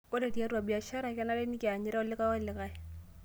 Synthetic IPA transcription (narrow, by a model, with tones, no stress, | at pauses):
ko˦ɾe˨ti˦a˦ɾu˦a˨bi˨a˨ʃa˦ɾa˨ka˦na˦le˦ni˦ki˨a˨ɲɪ˦ɾa˦ɔ˦lɪ˦ka˦ɔ˦lɪ˨ka˦j